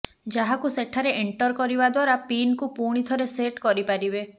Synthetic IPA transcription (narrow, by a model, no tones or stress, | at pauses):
d͡ʒaɦakuseʈʰaɾeʔeɳʈɔɾkɔɾibad̪waɾapinkupuɽ̃it̪ʰɔɾeseʈkɔɾipaɾibe